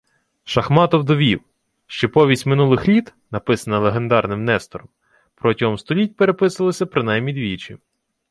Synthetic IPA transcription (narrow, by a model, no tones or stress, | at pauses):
ʃɐxmɑt̪ɔwd̪ɔʋʲiw | ʃt͡ʃɪpɔʋʲisʲtʲmɪnulˠɪxlʲit̪ | nɐpɪsɐnɐlˠeɦe̞nd̪ɑrnɪmnɛst̪ɔɾɔm | pɾɔtʲiɦɔmst̪ɔlʲit̚ʲpeɾepɪsɐlˠɪsʲɐpɾɪnɑjmnʲid̪ʲʋʲit͡ʃi